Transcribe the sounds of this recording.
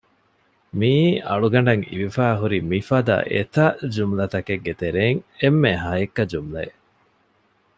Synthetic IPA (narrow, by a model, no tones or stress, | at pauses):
miːɐ̰ɭuɡɐɳɖɐŋḭʋifæːɦuɾimifɐd̪ɐ̰ʔet̪ɐd͡ʒumlɐt̪ɐkeɡːet̪eɾeːŋemːeɦɐjekːɐd͡ʒumlɐe